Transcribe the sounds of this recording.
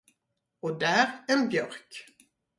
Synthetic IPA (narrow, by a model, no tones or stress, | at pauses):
ɔd̪æːɾɛnbjœɾk